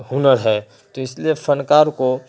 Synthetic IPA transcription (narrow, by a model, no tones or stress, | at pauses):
ɦunəɾɦɛ | t̪oɪsliepʰənkaɾko